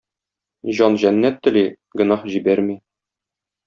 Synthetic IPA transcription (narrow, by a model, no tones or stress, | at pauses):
ʑɒnʑænːæt̪ːɘ̆li | ɡɘ̆nɑhʑibæɾmi